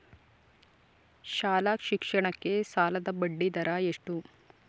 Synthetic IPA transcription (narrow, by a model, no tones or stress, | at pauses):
ʃaːlaːkʃikʂɐɳɐkːe̞saːlɐd̪ɐbɐɖːid̪ɐɾɐeʂʈu